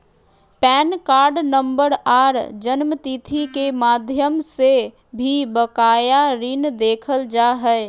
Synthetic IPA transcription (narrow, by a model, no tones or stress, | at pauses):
pɛːnkaːɾɖnəmbəɾaːɾd͡ʒənmət̪it̪ʰikemaːd̪ʱjəmse | bʱibəkaːjaɾɪnd̪eːkʰəld͡ʒaɦɛɪ